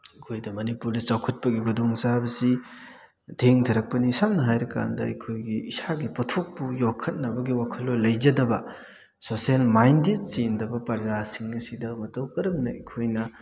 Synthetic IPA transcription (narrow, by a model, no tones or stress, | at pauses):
ikʰojdɐmɐnipuɾdɐt͡ʃawkʰɐt̚pɐɡiɡudoŋsabɐsi | tʰeŋtʰɐɾɐk̚pɐnisam̚nɐɦajɾɐka̰ndɐɐkʰojɡiːsaɡipɔtʰok̚pujokʰɐt̚nɐbɐɡiwakʰɐlːolɐjd͡ʒɐdɐbɐ | sosielmajndet̚sindɐbɐpɐɾzasiŋɐsidɐmɐtɐwkɐɾɐmnɐikʰojnɐ